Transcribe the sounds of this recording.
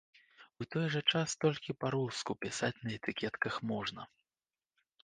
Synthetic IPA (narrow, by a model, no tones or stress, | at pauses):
ut̪ɔjʐɐt͡ʂast̪ɔlʲkʲipaɾuskupʲisat͡sʲnɐɛt̪ɨkʲɛt̪kɐxmɔʐnɐ